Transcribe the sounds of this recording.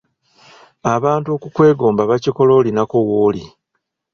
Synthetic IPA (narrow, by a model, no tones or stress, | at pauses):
aβaːntuo̞kukwe̞ːɡo̞ːmbaβaciko̞lo̞ːlinako̞wo̞ːlḭ